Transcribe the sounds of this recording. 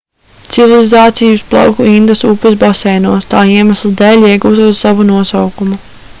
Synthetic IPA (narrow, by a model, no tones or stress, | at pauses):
t̪sivilˠizaːt̪sijusplˠɑ̰wkuind̪asupɨs̬bɔsɛːjnuɔst̪aːiɛmaslˠid̪ɛːlʲiɛɡuːzuɔssavunuɔsawkumu